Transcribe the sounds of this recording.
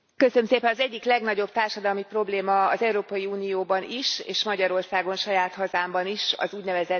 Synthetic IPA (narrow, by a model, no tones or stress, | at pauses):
kø̞sømseːpɛnɒzɛɟːiklɛɡnɒɟo̞b̚t̪aːrʃɒd̪ɒlmipro̞bleːmɒːzɛuɾoːpɒjiuːnijoːbɒniʃḛːʃmɒɟɒɾo̞rsaːɡo̞nʃɒjaːt̪hɒzaːmbɒniʃɒ̰zuːɟnɛvɛzɛ